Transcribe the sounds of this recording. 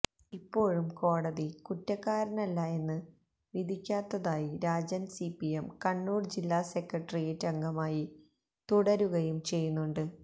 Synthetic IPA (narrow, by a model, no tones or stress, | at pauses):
ipːo̞ːɻumko̞ːɽɐðikutːɐkːaːɾɐnɐlːɐe̞nːɨ | ʋid̪ʱikʲːaːt̪ːɐðaːjiɾaːd͡ʑɐnsipiemkɐɳːuːɖd͡ʑilːaːse̞kːɐʈːɐrijɐtːɐŋɡɐmaːji | t̪uɽɐɾuɣɐjumt͡ɕe̞jːunːuɳɖɨ